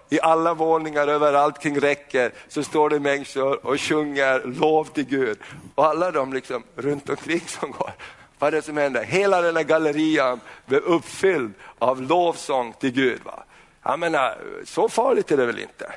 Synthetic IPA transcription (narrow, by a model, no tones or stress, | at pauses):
ɪʔalːavoːnɪŋaɾøːvəɾalt̪kʰɾɪŋːɾɛkːəɾsɔst̪oːɖɛmɛŋsʊɾɔɕɵŋːəɾloːvt̪ʰɪlɡʉːd̪ɔalːad̪ɔmlɪksɔmɾɵnt̪ɔmkʰɾɪŋːsɔmɡo̰ːɾ | vaɖɛsɔmhɛnd̪əɦeːlad̪ɛnːæɾɡaləɾiːanblɛɵpfʏld̪avloːvsɔŋːt̪ʰɪlɡʉ̟ːd̪va̰ | ja̰meːna̰sɔfɑːɭɪɡt̪æɖɛvɛlɪ̰nt̪ə̰